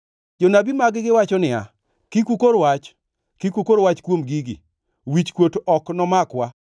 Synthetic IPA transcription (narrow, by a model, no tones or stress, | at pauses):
d͡ʒonabimaɡɡɪwat͡ʃɔnɪa̰ | kikʷukoɾwat͡ʃ | kikʷukoɾwat͡ʃkwomɡiɡḭ | wit͡ʃkwotɔknɔmakwa